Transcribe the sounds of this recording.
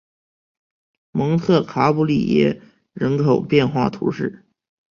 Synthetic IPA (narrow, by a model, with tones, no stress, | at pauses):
mɤ˧˥ŋt̪ʰɤ˥˩kʰa˧˥pu˥˩li˥˩jɛ̰˧˥ | ɻə˧˥nkʰo˨˩ʊpjɛ˥˧nxwa̰˥˩t̪ʰṵ˧˥ʂɻ̩˥˩